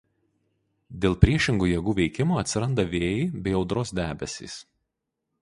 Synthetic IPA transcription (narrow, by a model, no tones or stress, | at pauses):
d̪ʲeːlˠpʲɾʲiɛʃʲɪŋɡuːjiɛɡuːʋʲɛɪkʲɪmoːɐt̪ʲsʲɪɾɐnd̪ɐʋʲeːjɪbʲɛɪɒʊd̪ɾoːsd̪ʲæːbʲɛsʲḭːs